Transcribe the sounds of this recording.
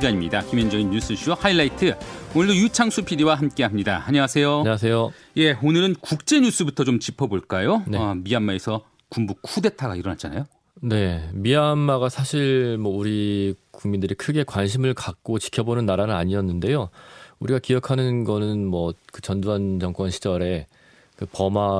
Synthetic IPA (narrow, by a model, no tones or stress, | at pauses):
d͡ʑaɲimɲidakimjʌnd͡ʑʌŋinjus͈ʰɯɕ͈ʰuhailːaitʰɯonɯɭdojut͡ɕʰaŋsʰupʰiɾiwaɦamk͈e̞ɦamɲidaaɲʌŋasʰe̞joɲas̬ʰe̞jo | je̞onɯɾɯnkuk̚t͡ɕ͈e̞ɲus͈ɯbutʰʌt͡ɕomt͡ɕipʰʌboɭk͈ajoneʌmiamːae̞sʰʌ | kumbukʰude̞tʰaɡa̰iɾʌnɦat͡ɕ͈a̰na̰jo | ne̞miamːaɡasʰaɕʰiɾmwʌuɾikuŋmindɯɾikʰɯɡe̞kwanɕʰimɯɭkak̚k͈ot͡ɕi̥kʰʌbonɯnːaɾanɯnaɲiʌnːɯnde̞jouɾiɡakijʌkʰanɯnɡʌnɯnmwʌkɯt͡ɕʌnduant͡ɕʌŋk͈wʌnɕʰid͡ʑʌɾe̞ | kɯpʌma